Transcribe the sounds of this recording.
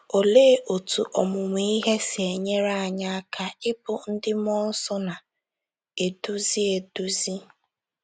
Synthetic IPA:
o˨leː˦ʔo˨tu˨ʔɔ˨mʊ˨m˨˦i˦ɦe˦si˨e˨ɲe˦ɾa˦a˨ɲa˦a˦kʰa˦ɪ˦pʊ˦n̩˦dɪ˦m˦ɔ˦n̩˦sɔ˦na˨ | e˨du˦zi˦e˨du˦zi˦

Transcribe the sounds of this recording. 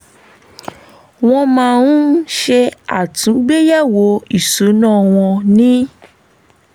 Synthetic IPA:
w̃ɔ̃˧mã˦˨nũ˦ʃɛ˧a˨tũ˨˦ɡ͡be˦ja˦˨wo˨˦i˦˨so˨˦nã˦˨w̃ɔ̃˧nĩ˦

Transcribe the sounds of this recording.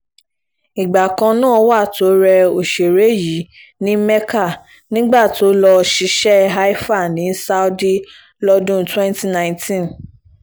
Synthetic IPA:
i˨ɡ͡ba˨kã˧nãː˦˨˦wa˦˨to˨˦ɾɛ˧o˨ʃe˨ɾe˨˦ji˨˦ | nĩ˦mɛ˦ka˦˨ | nĩ˦ɡ͡ba˦˨to˨˦lɔ˧ʃi˧˦ʃɛ˦ɦa˦i˦fa˦˨nĩ˨˦sa˦o˦di˦ | lɔ˧dũ˦twɛ̃˦nti˦nã˦j̃ntʰĩ˦n

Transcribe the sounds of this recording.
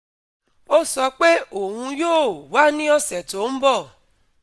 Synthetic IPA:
o˦sɔ˧k͡pe˦o˨ŋũ˧joː˦˨wa˦nĩ˦ɔ˦sɛ˨to˨˦m̩˦bɔ˦˨

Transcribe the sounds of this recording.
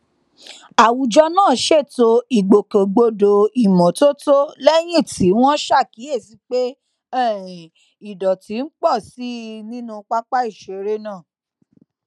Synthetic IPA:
a˨wu˨d͡ʒɔ˧˦nãː˦˨˦ʃe˦˨to˧i˨ɡ͡bo˨ko˨ɡ͡bo˧do˨i˨mɔ̃˨to˦to˦lɛ˦j̃ĩ˦˨ti˨˦w̃ɔ̃˦ʃa˦˨ki˨˦e˦˨ti˨˧k͡pe˦ | ɛ˦˨ | i˨dɔ˨ti˨˦n̩˦k͡pɔ˦˨si˨˦nĩ˦nũ˦k͡pa˦k͡pa˦i˦˨ʃe˨ɾe˦nãː˦˨

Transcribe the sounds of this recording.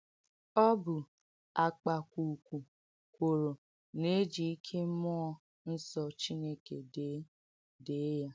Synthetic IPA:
ɔ˦bʊ˨ | a˨k͡pa˨kʷu˨kʷu˨ | kʷo˨ɾo˨ | ne˦d͡ʒi˨i˦kʰe˦mɔ˦ɔ˦ | n̩˦sɔ˨t͡ʃi˦ne˦ke˨de˨˦ | de˨˦ja˦

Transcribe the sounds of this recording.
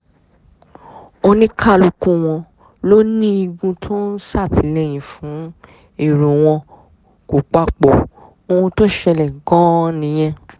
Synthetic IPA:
o˧nĩ˦kʰa˦˨lu˧kũ˧˨w̃ɔ̃˧ | lo˦nĩ˦i˧ɡũ˧tʰõ˦n̩˦sa˦˨ti˨˦lɛ˦˨j̃ĩ˨fũ˨˦ | e˦˨ɾũ˨w̃ɔ̃˧ | ko˨k͡pa˧k͡po˨ | o˧ũ˧to˦ʃɛ˧lɛ˨ɡɔ̃˦nĩ˧˦j̃ɛ̃˦

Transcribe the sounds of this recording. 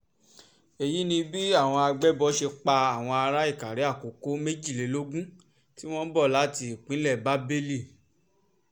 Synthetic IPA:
e˨ji˨˦nĩ˧bi˦a˦˨w̃ɔ̃˧a˧ɡ͡bɛ˦bɔ˦ʃe˧k͡pa˧a˦˨w̃ɔ̃˧a˧ɾa˦i˦˨ka˨ɾe˨˦a˦˨ko˨˦ko˨˦me˦d͡ʒi˦˨le˨˦lo˦ɡũ˦ | ti˦w̃ɔ̃˦bɔ˦˨la˨˦ti˧˨k͡pĩ˨˦lɛ˦˨ba˨˦be˦li˦˨

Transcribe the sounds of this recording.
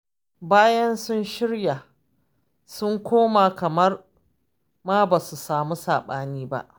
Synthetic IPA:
baː˦jɐ˦nsʊ˦nʃɪ˦ɽja˨ | sʊ˦ŋkʷoː˦maː˨kɐ˨mɐ˦r | maː˦ba˨su˨saː˨mu˦saː˨ɓaː˦niː˦ba̰˦˨ʔ

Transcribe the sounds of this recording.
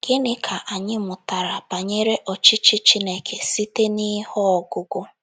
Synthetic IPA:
ɡ̥ɪ˦nɪ˨kʰa˨ʔa˨ɲɪ˦mʊ˨ta˨ɾa˨ba˨ɲe˦ɾe˦ʔɔ˨t͡ʃi˦t͡ʃi˦t͡ʃi˦ne˦kʰe˨si˦te˦ni˦hɔ˦ɔ˨ɡʊ˦ɡʊ˦

